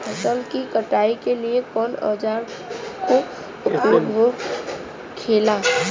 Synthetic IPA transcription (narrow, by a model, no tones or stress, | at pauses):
pʰɐsəlkikəʈaːikeliekɔːnɔ̰ːd͡ʒaːɾ | ko | ʊpjuːɡʋo | kʰeːlaː